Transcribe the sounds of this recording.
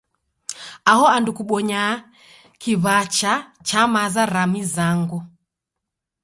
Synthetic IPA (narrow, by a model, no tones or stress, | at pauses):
aɦɔandukuɓɔɲa | kiβat͡ʃa | t͡ʃamazaɾamizaŋɡu